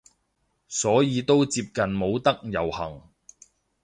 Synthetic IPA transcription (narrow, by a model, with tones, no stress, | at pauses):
sɔː˨˥jiː˨˧t̪o˥wt͡siː˧p̚kɐ˨nmo˨˧wt̪ɐ˥k̚jɐ˨˩whɐ˨˩ŋ